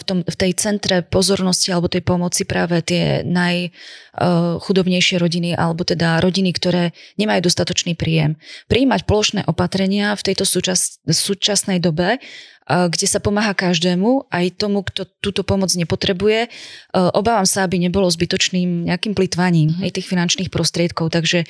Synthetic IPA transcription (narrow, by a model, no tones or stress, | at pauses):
ft̪ɔmft̪ɛjt͡sɛnt̪ɾɛpɔzɔɾnɔscialɛbɔt̪ɛjpɔmɔt͡sipɾaːʋɛt̪ɪɛ̰naj | xud̪ɔbɲɛjʃɪɛɾɔɟiniʔa̰lɛbɔt̪ɛd̪aɾɔɟinikt̪ɔɾɛːɲɛmajuːd̪ɔst̪at̪ɔt͡ʃniːpɾiːjɛmpɾiːmacpɔlɔʃnɛ̰ːʔɔpat̪ɾɛɲɪaft̪ɛjt̪ɔsut͡ʃassuːt͡ʃasnɛjd̪ɔbɛ | ɡɟɛsapɔmaːɦakaʒd̪ɛːmuajt̪ɔmukt̪ɔt̪uːt̪ɔpɔmɔd͡zɲɛpɔt̪ɾɛbujɛʔɔbaːʋamsaabiɲɛbɔlɔzbit̪ɔt͡ʃniːmɲɛakiːmplit̪ʋaɲiːmɦɛjt̪iːxfinant͡ʃniːxpɾɔst̪ɾɪɛt̪kɔʊt̪aɡʒɛ